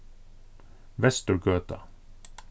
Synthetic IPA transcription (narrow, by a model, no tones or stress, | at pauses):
ʋɛst̪əɹɡøːt̪ə